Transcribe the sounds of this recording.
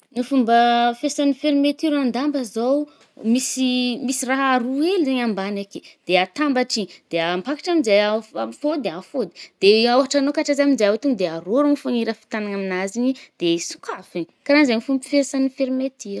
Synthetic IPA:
nifumbəfesanifeɾimet̪iɾand̪ambəzow | misimisiraɦaɾuelizaɲambanaked̪̥eat̪ambaʈ͡ʂid̪̥eampakḁʈ͡ʂaminzajafod̪iafod̪i̥d̪̥eoɦaʈ͡ʂanokaʈ͡ʂazaminzeawet̪uŋd̪eaɾoɾuŋifaŋiɾəfi̥t̪anaŋaminazinid̪̥esu̥kafe | kaɾanzanifumbi̥fesanifeɾimet̪ʰiɾ

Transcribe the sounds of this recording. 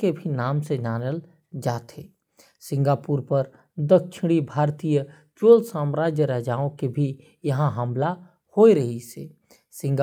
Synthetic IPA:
ebʱinaːmsed͡ʒaːnəl | d͡ʒaːt̪ʰe | sɪ̃ŋɡaːpuːɾpɐɾ | d̪ək̚ʃʰɪɽ̃ibʱaːɾt̪ijə | t͡ʃoːlsaːmɾaːd͡ʒjəɾɛːd͡ʒaːõkebʱi | jɐɦãɦə̃mla | hoːiɾɐɦiseː | sɪ̃ŋɡa

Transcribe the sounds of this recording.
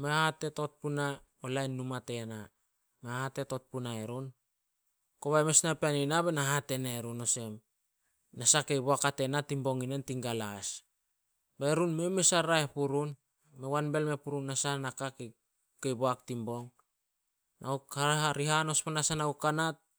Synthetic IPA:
meahate̞tot̚puna | olajnːumate̞na | meahate̞tot̚punaeɾun | koβaemesnapeaninaβenaɦate̞naeɾuno̞se̞m | nasake̞jboakate̞natimbo̞ŋinentiŋɡalas | beeɾunme̞mesaɾaepuɾun | me̞wanbe̞lme̞puɾunːasanakake | ke̞jboaktimbo̞ŋ | nʔa̰ukaaɾiɦano̞sponasanaukanat̚

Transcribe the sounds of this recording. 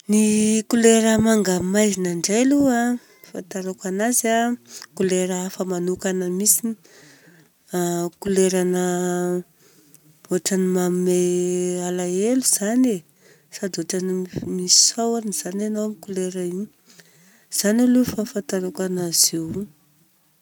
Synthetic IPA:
nikuleɾəmaŋɡamajzinaɳɖ͡ʐelua | fant̪aɾokanazakuleɾaafəmanukanəmisini̥ | kuleɾanə | oʈ͡ʂanimammealaeluz̥ane | sad̪oʈ͡ʂanimissawaniz̥ananowamikuleɾəiɲi | z̥analufafant̪aɾakanaz̥e

